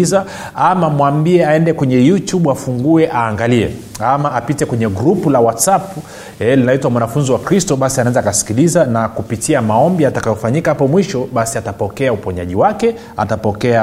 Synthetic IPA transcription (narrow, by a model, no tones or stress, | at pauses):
za | amamwambiɛaɛndɛkwɛɲɛjutjuɓafuŋɡuɛʔaːŋɡaliɛ̰ | amaːpitɛkwɛɲɛɡɾupulawatsap | ɛlinaitwamwanafunziwakɾistɔɓasianaɛnzaːkasi̥kilizanakupitʰiamaɔmbiatakajɔfaɲikahapɔmwiʃɔɓasiatapɔkɛaupɔɲaʄiwakɛ | a̰tapɔkɛa